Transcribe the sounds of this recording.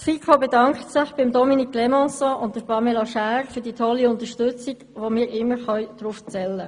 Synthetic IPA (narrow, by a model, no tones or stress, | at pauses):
sfikʰobedɑŋktsɪχb̥ɪmdɔminikʰlemɔ̃sɔ̃ʊnt̚d̥əpɑmeloʃæːɾfʏdiːtʰɔlːiʊnt̪əʃtʏt͡siɡʋomɪːɾɪmːəɾχœʏd̥ɾuft͡sɛlːə